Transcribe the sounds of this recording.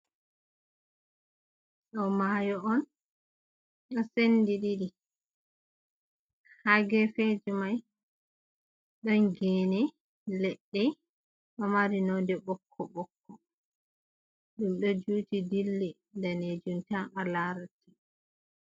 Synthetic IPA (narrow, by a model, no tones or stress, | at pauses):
ɗɔmajɔɔn | ɗɔsendiɗidi | haɡɛfed͡ʒimaj | ɗɔnɡɛnɛ | lɛɗːɛ | ɗɔmaɾinɔdɛbɔkʰːɔɓɔkʰːɔ | ɗumɗɔd͡ʒuːtidilːi | ndaned͡ʒumtanalaɾatːi̥